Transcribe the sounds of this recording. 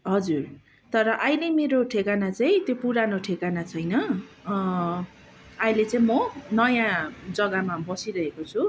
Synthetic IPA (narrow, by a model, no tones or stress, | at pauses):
ɦʌd͡zur | t̪ʌɾʌʔajlemeɾoʈʰekanat͡sãĩt̪jopuɾanoʈʰekanat͡sʰʌjnʌ | ajlet͡saĩmʌnʌjãd͡zʌɡamabʌsiɾʌɦekot͡sʰu